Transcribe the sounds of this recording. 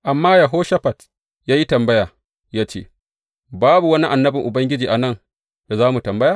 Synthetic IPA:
ʔa˨mːaː˦ja˨ɦoː˦ʃa˦ɸɐ˨t | jaː˦ji˦tɐ˨mbɐ˦jaː˨ | jaː˦t͡ʃḛː˦ | baː˦bu˨wɐ˦ni˦ʔa˨nːɐ˦bɪ˨ŋʔʊ˨bɐ˦ŋɡʲɪ˦d͡ʒiː˨ʔa˨nɐ˦˨n | d̥a˨zaː˦mu˨tɐ˨mbɐ˦jaː˨

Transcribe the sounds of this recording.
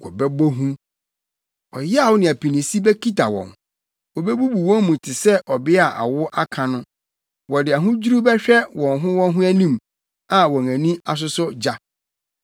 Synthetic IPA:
kɔ̰˨bɛ˦bɔ˦ɦũ˦ | ɔ˨jɛ˦a˨wʊ˦nɪ̃˨æ˨pʰi˨nĩ˨si˦bɛ˦kʰi˦tʰa˨wɔ̰̃˨n | wɔ˨bɛ˦bu˦bu˨wɔ̃˦mmũ˨tʰɪ˨sɛ˦ʔɔ˨bɪ˦a˨ʔa̰˨wʊ˦ʔa˦kʰã˨nʊ̃˦ | wɔ˨dɪ˨a˨ɦʊ̃˦d͡ʑu˦ɾu˦bɛ˦ɕᶣɛ˦wɔ̃˨nɦʊ̃˦wɔ̃˦nɦʊ̃˦æ˦nĩ˦m | ã˨wɔ̃˨ŋæ̃˨nĩ˦a˨s̬ʊ˦sʊ˦d͡ʑa˦

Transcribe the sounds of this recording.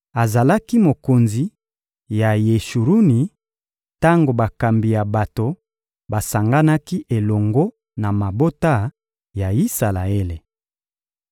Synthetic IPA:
a˨za˨la˦ki˦mo˨ko˨nzi˨˦ | ja˨je˨ʃu˨ɾu˦ni˨ | ta˦ŋɡo˨ba˨ka˨mbi˨ja˨ba˨to˨ | ba˨sa˨ŋɡa˦na˦ki˦ʔe˨lɔ˨ŋɡo˦ | na˨ma˨bo˦ta˦˨ | ja˨i˦sa˨la˨e˦le˨

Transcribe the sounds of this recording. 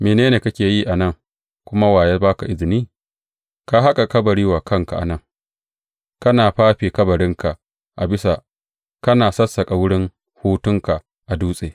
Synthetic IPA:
meː˨neː˦neː˨kɐ˦kʲeː˨jiː˦ʔa˨nɐ˦˨ŋ | kʷʊ˦ma˦waː˨je˦baː˦ka˨ʔɪ˦zɪ˨niː˦ | ka˦ɦa˦kʼa˨kɐ˦bɐ˨ɽiː˦waː˨kʰɐ˦ŋka̰˨ʔa̰˨nɐ˦ŋ | kɐ˦naː˨ɸaː˦ɸiː˨kɐ˦bɐ˨ɽɪ˦ŋka˨ʔ | ʔa̰˨bɪ˦sa˨ | kɐ˦naː˨sɐ˦sːɐ˨kʼa˨wʊ˦ɽɪ˦ŋ | huː˦tʊ˦ŋka˨ʔ | ʔa˨duː˦sʼeː˨

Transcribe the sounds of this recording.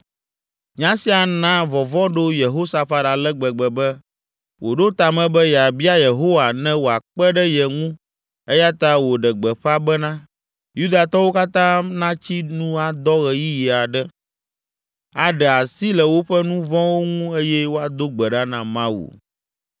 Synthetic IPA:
ɲã˦si˦a˨nã˦vɔ˨vɔ̃˦ɖo˦je˨ɦo˦sa˨fa˦da˨lɛ˦ɡ͡bɛ˨ɡ͡bɛ˨bɛ˦ | wʔo˨ɖo˦t̪a˨mɛ̃˨bɛ˦ja˨bi˦a˦je˨ɦo˦wa˨nɛ̃˦wo˨a˨k͡pɛ˦ɖɛ˦je˨ŋũ˦ | e˦ja˦t̪a˦wo˨ɖɛ˨ɡ͡bɛ˨ɸa˦bɛ˦nã˦ | ju˦d̪a˨t̪ɔ˦wo˦ka˦t̪ã˦nã˦t͡ɕi˦nũ˦a˨d̪ɔ˦ɣɛ˨ji˦ji˨a˨ɖɛ˦ | a˨ɖɛ˨a˨si˦lɛ˨wo˦ɸɛ˦nũ˦vɔ̃˦wo˦ŋũ˦e˦jɛ˦wo˦a˨d̪o˦ɡ͡bɛ˨ɖa˦nã˨mã˦wṵ˨

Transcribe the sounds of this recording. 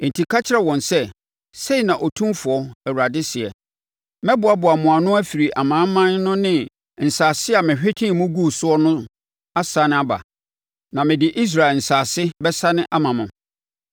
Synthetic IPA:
n̩˨tʰi˨kʰa˦t͡ɕʰɪ˦ɾɛ˨wɔ̃˨nsɛ˦ | se˦i˨nã˨ʔɔ˨tʰũ˦mfʊ˨ɔ˦ɛ˨wu˨ɾa˨dɪ˦sɪ˨ɛ̰˨ | mɛ̃˦bʊ˨a˨bʊ˨a˨mʊ̃˨a˨nʊ̃˦æ˦fi˨ɾi˨ʔa˨mãː˨˦mã˦nnʊ̃˦nɪ̃˦ | n̩˨saː˨sɪ˦a˨mɪ̃˨ɕᶣɪ˦tʰɪ̃˦˨mʊ̃˦ɡu˦˨sʊ˦ɔ˦nʊ̃˦ | a˦sa˨˦nɪ̃˦a˦ba̰˨ | nã˨mɪ̃˨dɪ˨ʔi˦s̬ɾa˨ɛ˨n̩˨saː˨sɪ˦bɛ˦sa˦nɪ̃˦ʔa˦mã˨mʊ̃˨

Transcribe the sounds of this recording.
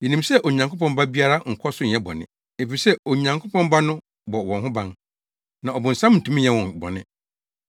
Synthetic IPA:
jɛ˨nĩ˨msɛ˦ʔo˨ɲã˨ŋkʰpɔ̃˦mba˦bi˦a˦ɾa˦ŋ̩˨kʰɔ˦sʊ˦ɲ̩˨ɛ˦bɔ̰˨nɪ̰̃˦ | e˨fi˨sɛ˦o˨ɲã˨ŋkʰo˦pɔ̃˦mba˦nʊ̃˦ | bɔ˨wɔ̃˨ɦʊ̃˦bã˦n | nã˨ɔ˨bʊ̃˨n̩˨sã˦mn̩˨tʰũ˦m̩̃˦˨ɛ̃˦wɔ̃˨bɔ̰˨nɪ̰̃˦

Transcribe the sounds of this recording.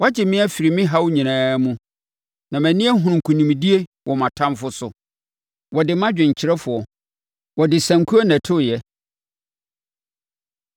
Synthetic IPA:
wɔ˦a˦d͡ʑɪ˨mɪ̃˦æ˦fi˨ɾi˨mɪ̃˦ɦa˦wʊ˦ɲĩ˨nãː˦mũ˦ | nã˨mæ̃˨nɪ̃˦æ˦ɦʊ̃˨ũ˨ŋ̩˨kʰũ˨nĩ˨m˨di˦e˦wʔɔ˨mã˨tʰã˦mfʊ˦sʊ̰˨ | wɔ˨dɪ˨mã˦d͡ʑᶣɪ̃˨ɲ̩˨t͡ɕʰɪ˨ɾɛ˦fʊ˨ɔ˨ | wɔ˨dɪ˨sæ̃˨ŋkʰu˦a˦næ̃˨tʰʊ˦˨jɛ˦

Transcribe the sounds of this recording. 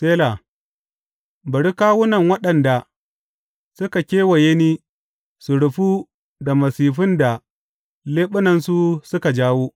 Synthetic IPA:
seː˦la˨ | bɐ˨ɽi˦kaː˦wʊ˦nɐ˨ŋwɐ˦ɗɐ˨nda˨ | sʊ˦ka˨kʲeː˦wɐ˨je˦niː˦ | su˨ɽʊ˨ɸu˦ | da˨mɐ˨siː˨ɸɪ˦nda˨ | leː˦ɓʊ˦nɐ˨nsu˦sʊ˦ka˨d͡ʒaː˦wuː˦

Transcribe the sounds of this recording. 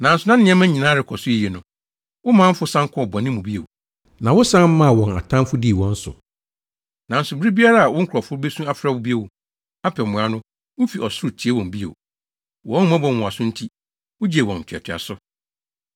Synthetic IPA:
nã˨n̩˨sʊ˨nã˦n˦nɪ̃˦ɛ̃˦mã˦ɲĩ˨nãː˨˦ɾɪ˨kʰɔ˨sʊ˦i˨je˨nʊ̃˨ | wʊ˦mãː˨˦m̩˦fʊ˦sã˦ŋ˦kʰɔ˦˨bɔ˨nɪ̃˦mũ˨bi˦ḛ˨w | nã˨wʊ˦sã˦m̩˦mã˦˨wɔ̃˨na̰˨tʰã˦mfʊ˦di˦˨wɔ̃˦n̩˦sʊ̰˨ | nã˨n̩˦sʊ˨bɪ˦ɾi˦bi˦a˦ɾa˦˨a˨wɔ̃˦ŋ̩˦kʰɾɔ˨fʊ˦ɾʊ˦be˦sũ˦a˦fɾa˦˨wʊ˦bi˦e˦˨wʊ˨ | a˦pʰɔ˨mʊ̃˨a˦nʊ̃˦ | wʊ˦fi˨ʔɔ˨sʊ˦ɾʊ˨tʰi˨e˦wɔ̃˨m˨bi˦ḛ˨ | wɔ̃˦m˦ã˦bɔ˨wʊ̃˨a˨sʊ˦n̩˦tʰi˦ | wʊ˦d͡ʑi˦e˨wɔ̃˨n̩˨tʰᶣɛ˨tʰᶣa̰˨sʊ˦

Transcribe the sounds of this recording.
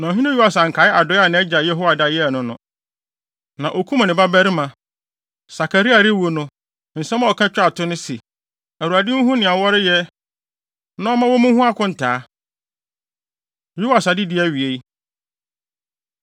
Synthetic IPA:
nã˨ɦɪ̃˦nɪ̃˦ju˦a˨sa˨ŋ̩˨kʰa˨˦ɪ˦a˨dɔ˨˦a˦˨nɪ̃˦ɛ˦d͡ʑa˨jɛ˦ɦo˦a˨da˨jɛ˦˨nʊ̃˦nʊ̃˨ | nã˨ʔo˨kʰu˦m̃˨nɪ̃˨ba˦bæ˦ɾɪ˦mã˨ | sa˨kʰa˨ɾi˦a˨ɾɪ˦wo˦nʊ̃˦ | n̩˨sɛ̃˦m˦ɔ˨kʰã˦t͡ɕᶣɪ˦a˨tʰʊ˦nʊ̃˦si˨ | æ˨u˨a˨dɪ˦n̩˦ɦũ˦nɪ̃˨a˨wɔ˦ɾɪ˦jɛ˦ | nã˦ɔ˦mã˦wɔ˦mʊ̃˦hũ˦a˦kʰʊ̃˦n̩˨tʰaː˨˦ | ju˦da˨sa˨dɪ˦dɪ˨˦ɛ˦ɥi˨e˦i˦

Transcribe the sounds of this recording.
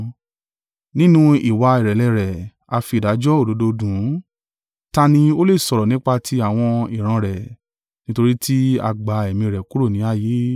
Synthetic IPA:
nĩ˦nũ˦i˨wa˧i˨ɾɛ˨lɛ˧˨ɾɛ˨ | a˧fi˧˨da˨˦d͡ʒɔ˦o˦˨do˨˦do˧dũ˨˦ | ta˧nĩ˧o˦le˦˨sɔ˧ɾɔ˨nĩ˦k͡pa˧tʰi˧˦a˦˨w̃ɔ̃˧i˨ɾ̃ã˧ɾɛ˨ | nĩ˦to˧ɾi˦tʰi˦a̰˧ɡ͡ba˧ɛ˨mĩ˧˨ɾɛ˨ku˦ɾo˦˨nĩ˨˦a˦˨je˨˦

